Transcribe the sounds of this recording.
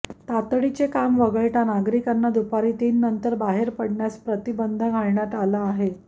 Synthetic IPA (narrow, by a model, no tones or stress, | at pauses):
t̪at̪ɭit͡sekamʋəɡəɭʈ̪anaɡɾikanːad̪upaɾiːt̪iːnːənt̪əɾbaɦeɾpəɽɳjaspɾət̪ibənd̪ʱəɡʱaɭɳjat̪alaːɦe